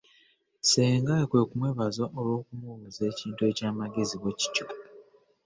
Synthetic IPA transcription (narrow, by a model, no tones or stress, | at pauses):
seːŋɡaekwe̞kumweβazoʔolwo̞ːkumuβuze̞ːciːntue̞caːmaɡe̞ziβeci̥co